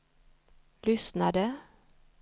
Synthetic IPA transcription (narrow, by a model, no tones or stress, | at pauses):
lʏsnɑd̪ə